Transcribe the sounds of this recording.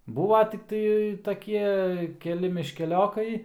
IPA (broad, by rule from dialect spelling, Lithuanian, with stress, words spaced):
ˈbuːʋɐ tʲɪkˈtɐɪ tɐˈkʲiɛ kʲɛˈlʲɪ mʲɪʃʲkʲɛˈlʲoːkɐɪ